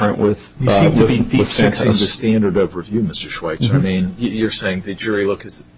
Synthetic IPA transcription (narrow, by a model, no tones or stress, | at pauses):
ɜ̃˞nʔwɪð | jɨsĩmtʰɨbið̥sɪksɪ̃ŋðɨstæ̃ndə˞ɾʌvjɨmɪstə˞ʃwaɪsaɪmĩnjɨjə˞seɪɪ̃ŋðɨd͡ʒʊɹilʊkɨz